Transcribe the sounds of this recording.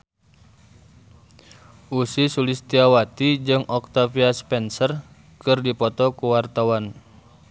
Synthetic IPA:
ʔusisulɪst̪iawat̪id͡ʒɨŋɔk̚t̪afiaspɛnsər | kɨrdipɔt̪ɔkuwart̪awan

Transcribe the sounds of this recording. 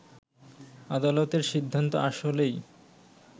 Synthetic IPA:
ad̪alot̪eɾʃid̪ʱːant̪o̰ʔaʃolej

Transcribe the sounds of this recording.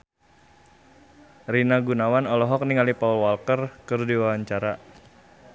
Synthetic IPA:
rinaɡunawanɔlɔɦɔk̚niŋalipaulwalkərkɨrdiwawaɲt͡ʃaɾa

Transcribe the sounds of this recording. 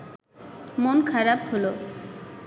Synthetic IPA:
monkʰaɾabholo

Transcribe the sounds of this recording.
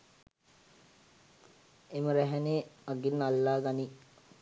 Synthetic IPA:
eməɾæɦɛneːaɡinːalːaːɡani

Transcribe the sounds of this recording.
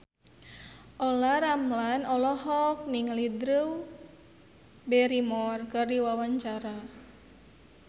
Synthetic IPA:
ʔɔlaɾamlanɔlɔɦɔk̚niŋlidɾuw | bɛɾimɔrkɨrdiwawaɲt͡ʃaɾa

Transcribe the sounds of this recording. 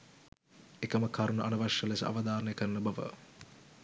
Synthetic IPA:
ekəməkʰaɾunuʔanɐʋaʂəlesə̰ʔa̰ʋad̪aːɾənəjəkəɾənəbaʋə̰

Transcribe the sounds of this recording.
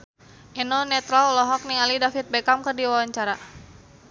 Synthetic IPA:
ʔɛnɔnɛt̪ɾaɔlɔɦɔk̚niŋalidafit̪̚bɛkamkərdiwawaɲt͡ʃaɾa

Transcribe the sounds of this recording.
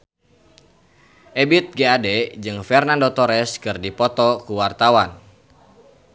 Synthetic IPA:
ʔɛbit̪̚ɡeadɛd͡ʒɨŋfɛrnandɔt̪ɔɾɛskɨrdipɔt̪ɔkuwart̪awan

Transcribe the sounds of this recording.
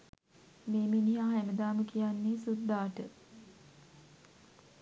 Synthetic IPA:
meːminiaɦæməd̪aːməkijanːesud̪ːaːʈə

